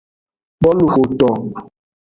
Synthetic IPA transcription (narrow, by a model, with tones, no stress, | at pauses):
ɓɔ˦lu˨xo˨tɔ˨